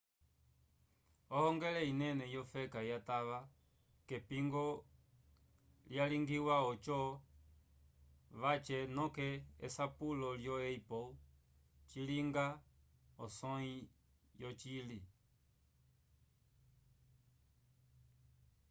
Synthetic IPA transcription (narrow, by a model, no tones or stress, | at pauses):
ɔhɔŋɡɛlɛinɛnɛjɔfɛkajataʋa | kɛpiŋɡɔ | ljaliŋɡiwaɔt͡ʃɔ | ʋat͡ʃɛnɔkɛ̰ːsapulɔljɔɛipɔ | t͡ʃiliŋɡa | ɔsɔi | jɔt͡ʃili